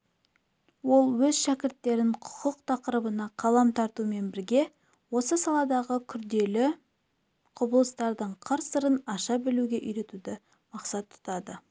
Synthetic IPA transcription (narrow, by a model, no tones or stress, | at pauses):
wo̞lˠwɵzʃækʲɪɾt̪ːe̞ɾɪɴqʰʊ̥qʰəqt̪ʰɑqəɾəbənɑqʰɑlˠɑmt̪ʰɑɾt̪ume̞nbɪɾɡʲe̞ | wo̞səsɑlˠɑd̪ɑʁəkʲʰʏɾd̪e̞lɪ | qʰʊbəlˠəst̪ɑɾd̪əɴqʰəɾsəɾənɑʃɑbɪluɡʲe̞ʔʏjɾe̞t̪ud̪ɪ | mɑqsɑt̪ʰːʊ̥t̪ɑd̪ə